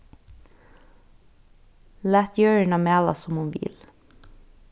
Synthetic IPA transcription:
læːt̪jøːɹəɳɑmæːlɑ̰sɔmunʋɪ̰l

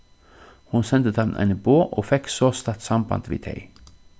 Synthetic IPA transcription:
hʊnsɛnd̪ət̪ʰɑmnʔæ̰ɪnəboːʔoːfɛksoːst̪ɑt̪sɑmbɑ̰nd̪ʋḭːd̪ʰɛ̰ɪ

